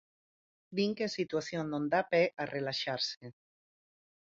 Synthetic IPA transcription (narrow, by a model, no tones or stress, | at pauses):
d̪iŋkesit̪uaθjonnːõnd̪apɛʔarelaʃaɾse